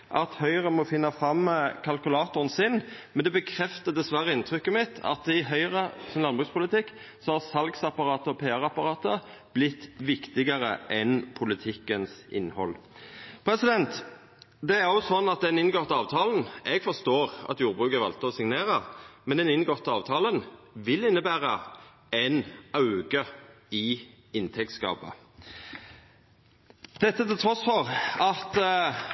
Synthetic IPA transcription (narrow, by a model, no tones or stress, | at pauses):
ʔɑt̪hœʏʁəmɔfɪnːɑfɾɑmkʰɑlkʉlɑːt̪ʊʁənsɪnmɛnd̪ɛbəkʰɾɛft̪əd̪ɛsʋæʁəɪnt̪ʰɾʏkːəmɪt̪ʰɑ̰t̪ɪɦœʏʁəsɔnlɑnbʁʉːkspʊlɪt̪ɪkː | sɔhɑsɑlɡsɑpɑɾɑːt̪əɔpʰeːæʁɑpɑʁɑːt̪əb̥lɪt̪ːʋɪkt̪ɪɡəʁə̰ʔɛnpʰʊlɪt̪ʰɪkːənsɪ̰nːhɔ̰lpʰɾɛsɪd̪ɛnt̪ | d̪ɛæɾʁʊsɔnːɑt̪̚d̪ɛnɪnɡɔt̪ːəɑːʋt̪ʰɑːln̩ɛɡfɔʁst̪oːʁɑ̰t̪juːɾbʁʉːkəʋɑlt̪əɔsɪŋneːʁəmɛnɛnɪnɡɔt̪ːəɑːʋt̪ʰɑːlənʋɪlɪnːəbæːʁə | ɛnɑʉɡə | ɪ | ɪnt̪ʰɛk̚t̪skɑ̰ːpə̰ | d̪̥ɛt̪ːət̪ɪlt̪ʰɾɔsfɔʁɑt̪